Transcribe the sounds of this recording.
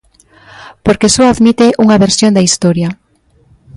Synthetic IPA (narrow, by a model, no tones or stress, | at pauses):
poɾkesoaðmit̪eʔuŋaβeɾsjond̪aist̪oɾja